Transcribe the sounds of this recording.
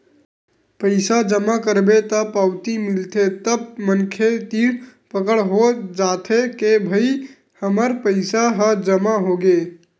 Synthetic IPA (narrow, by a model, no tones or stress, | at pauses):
pəɪsad͡ʒəmakəɾbet̪əpawt̪imilt̪ʰet̪əb̚mənkʰet̪iɽpəkəɽɦod͡ʒat̪ʰekebʱəi | həməɾpəɪsaɦəd͡ʒəmaɦoɡe